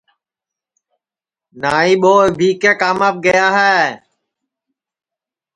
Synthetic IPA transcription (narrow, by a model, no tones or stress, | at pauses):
naːĩːɓoːɪbʱiːkeːkaːməp̚ɡəjaːɦɛː